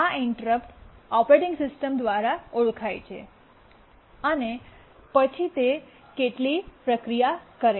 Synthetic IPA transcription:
aɪɳʈəɾəpʈɔpɾeʈɪ̃ŋɡsɪsʈəmd̪ʋaɾauɭkʰajt͡ʃʰḛ | əne | pət͡ʃʰit̪e | keʈlipɾəkɾijakəɾe

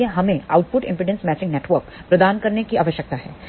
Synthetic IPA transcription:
eɦɐmẽa̰ːʊʈ̚pʊʈɪ̰̃mpɪɖə̃nsmɛːt͡ʃɪ̃ŋɡneːʈʋəɾkpɾɐd̪aːnkɐɾnekiaːʋəʃjək̚t̪aɦɛː

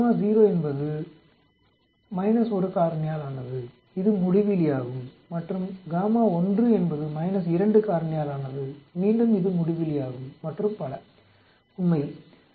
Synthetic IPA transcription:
maːziːɾoːɛnbɐðɯ | mɐɪnɐsɔɾɯkaːɾɐnɪjaːlaːnɐðɯ | ɪðɯmʊɽɪʋɪlɪjaːɣɯmː | ɐʈrɯmɡaːmaːɔndrɯɛnbɐðɯmɐɪnɐs̬ɪɾɐɳɖɯkaːɾɐɳɪjaːlaːnɐðɯmiːɳɖɯmɪðɯmʊɽɪʋɪlɪjaːɣɯmːɐʈrɯmpɐlɐ | ʊnmɐɪ

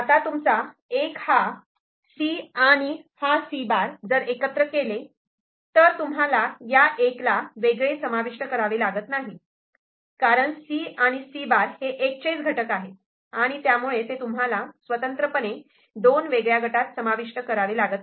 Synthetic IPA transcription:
at̪at̪umt͡sa | ekha | siaɽ̃ihasibaɾd͡zəɾekət̪ɾəkele | t̪əɾt̪umɦalajaʔeklaʋeɡɭesəmaʋiʂʈəkəɾaʋelaɡət̪naɦi | kaɾəɳsiaɽ̃isibaɾheʔekt͡ɕet͡sɡʱəʈəkaɦe | aɽ̃it̪jamuɭet̪et̪umɦalasʋət̪ənt̪ɾəpəne | d̪onʋeɡɭjaɡʱəʈat̪səmaʋiʂʈəkəɾaʋelaɡət̪

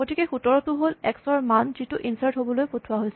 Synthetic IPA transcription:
ɡotʰikɛxutɔɹɔtʊɦolɛksɔɹmanz̥ituʔinsaɹtɦobɔlojpotʰʊwaɦojsɛ

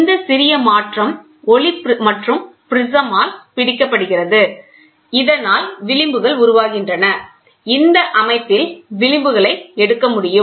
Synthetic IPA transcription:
nd̪ɐsɪɾɪjɐmaːʈrɐm | ɔɭɪpmɐʈrɯmpɪɾɪsɐmaːlpɪɽɪkːɐpːɐɽɯɣɪrɐðɯ | ɪðɐnaːlʋɪɭɪmbɯɣɐɭʊɾʊʋaːɣɪndrɐnɐ | ɪnd̪ɐʔɐmɐɪp̪ːɪlʋɪɭɪmbɯɣɐɭɐɪɛɽɯkːɐmʊɽɪjɯm

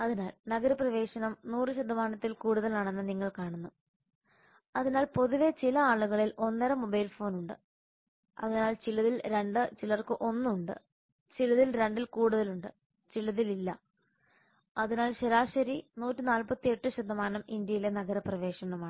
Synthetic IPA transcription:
ɐðinaːlnɐɡɐɾɐprɐʋe̞ːɕɐnɐmnuːrɨɕɐd̪ʱːɐmaːnɐt̪ːilkuːɽuðɐlaːɳe̞nːɐniŋːɐɭkaːɳunːu | ɐðinaːlpo̞ðuʋe̞t͡ɕilɐaːɭuɣɐɭilo̞nːɐɾɐmːo̞bɐjlfo̞ːnuɳɖɨ̰ | ɐ̰ðinaːlt͡ɕilɐðilɾe̞ɳɖɨt͡ɕilɐrkɨʔo̞nːuɳɖɨ̰ | t͡ɕilɐðilɾeɳɖilkuːɽuðɐluɳɖɨ̰ | t͡ɕilːɐðililːɐ̰ | ɐðinaːlɕeɾaːɕɐɾinuːtːinaːlpɐt̪ːie̞ʈːɨɕɐd̪ʱːɐmaːnɐmind̪jɐjilenɐɡɐɾɐprɐʋe̞ːʂɐnɐmaːɳɨ

